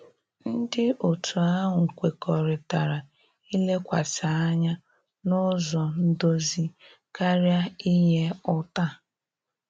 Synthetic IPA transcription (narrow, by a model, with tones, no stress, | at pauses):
n̩˦dɪ˦o˨tʰu˨a˦ɦʊ˨ŋ̩˨kʷe˨kɔ˨ɾɪ˨ta˨ɾa˨ | i˦le˦kʷa˨ta˨a˦ɲa˦ | nʊ˦zɔ˨n̩˦do˦zi˦ | ka˦ɾja˦i˦ɦe˦ʊ˦ta˦˨